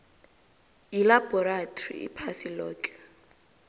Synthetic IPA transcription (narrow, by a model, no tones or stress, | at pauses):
ilabɔɾatʰʼɔrḭḭpʰasilɔːkʰʼɛ̥